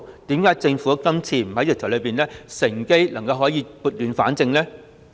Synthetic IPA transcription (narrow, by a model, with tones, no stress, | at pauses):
t̪iː˨˥mkaː˨˥jt͡sɪ˧ŋfuː˨˦˥kɐ˥mt͡sʰiː˧m̩˨˩hɐ˨˥jk̚t̪ʰɐ˨˩lɵ˨˧ɥpiː˨˩nlɛ˥sɪ˨˩ŋke˥jlɐ˨˩ŋkɐ˧whɔː˨˥jiː˨˧˥puː˨˩t̚lyː˨˧nfaː˨˥nt͡sɪ˧ŋlɛː˥